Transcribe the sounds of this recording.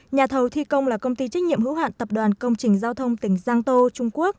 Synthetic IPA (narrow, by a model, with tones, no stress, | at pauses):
ɲaː˨˩t̪ʰə˨˩wt̪ʰi˧kə˧wŋ͡mlaː˨˩kə˧wŋ͡mt̪i˧t͡ɕa˦˥jk̚ɲḭ˧əmhɨ̰˧˥wɦwa̰ː˧˨nt̪ə˨˩p̚ɗwaː˨˩nkə˧wŋ͡mt͡ɕï˨˩ŋ̟zaː˧wt̪ʰə˧wŋ͡mt̪ï˧˩˦ŋ̟zaː˧ŋt̪o˧t͡ɕʊ˧ŋ͡mku˦˥ək̚